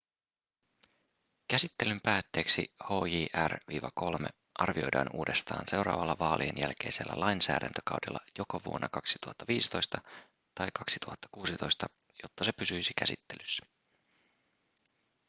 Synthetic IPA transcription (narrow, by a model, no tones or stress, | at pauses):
kæsit̪ːe̞lympæːt̪ːe̞ːksiho̞ːjiːʔærʋiːʋɑko̞lme | ʔɑrʋio̞̰jdɑ̰ːnuːde̞st̪ɑ̰ːnse̞wɾɑ̰ːʋɑlːɑʋɑːlʔienjælk̟e̞̰jse̞lːæ̰lɑjnsæ̰ːdænt̪økɑwdelːɑjo̞koʋuo̞nːɑkɑksi̥t̪uhɑt̪ːɑʋiːsi̥t̪o̞jst̪ɑ | t̪ɑjkɑksi̥t̪uhɑt̪ːɑ̥kuːsit̪o̞jst̪ɑ | jo̞t̪ːɑse̞pysyjsikæsit̪ːelysːæ̥